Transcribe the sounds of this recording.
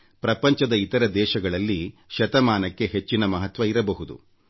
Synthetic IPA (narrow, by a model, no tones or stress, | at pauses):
pɾɐpɐɲt͡ʃɐd̪ɐit̪ɐɾɐd̪ɛːʃɐɡɐɭɐlːiʃɐt̪ɐmaːnɐkːe̞ɦet͡ʃːinɐmɐɦɐt̪ʋɐiɾɐbɐɦud̪ṵ